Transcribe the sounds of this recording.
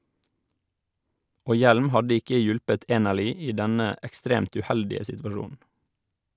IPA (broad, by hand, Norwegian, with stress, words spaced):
ˈoː ˈjɛlm ˈhɑdə ˈɪkə ˈjʊlpət ˈeːnəɭʏ ˈiː ˈdɛnə ɛkˈstɾeːmt ʉˈhɛldɪə sɪtʋɑˈʃuːn̩